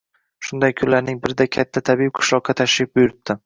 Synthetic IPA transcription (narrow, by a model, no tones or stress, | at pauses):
ʃʊnd̪ajkʰʊnllaɾnɪŋbɪɾɪd̪akʲʰat̪ʰːat̪ʰabip̚qʰɨ̥ʃlˠɒq̚ʰːɑt̪ʰaʃɪp̚bʊjʊɾɪt̚t̪ʰːɪ